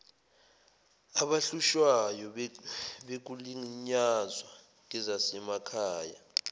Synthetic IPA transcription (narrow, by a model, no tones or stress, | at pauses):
aɓaɬuʃwajɔ | ɓek̬uliŋɲazwa | ŋ̬ɛzasɛmakʰaːja